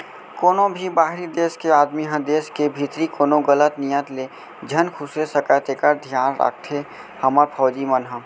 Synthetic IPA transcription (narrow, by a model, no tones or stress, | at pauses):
koːnõbʱibaːɦɾid̪eːskeaːd̪miɦə̃d̪eːskebʱit̪ɾikoːnõɡələt̪nijət̪leː | d͡ʒʱənkʰʊsesəkət̪ekəɾd̪ʱjaːnɾa̰k̚ʰt̪ʰe | hɐməɾpʰɔːd͡ʒimənɦə̃